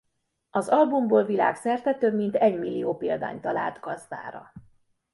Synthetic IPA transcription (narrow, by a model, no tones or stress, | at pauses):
ɒzɒlbumboːlvila̰ːksɛrt̪ɛt̪øːmint̪ɛɟmilːioːpeːld̪a̰ːɲt̪ɒla̰ːlt̪ɡɒzd̪a̰ːɾɒ̰